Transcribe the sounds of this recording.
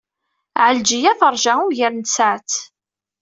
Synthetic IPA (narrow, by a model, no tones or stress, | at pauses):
ʕəld͡ʒijæθəɾˤʒaʊʝəɾnsaʕt͡s̪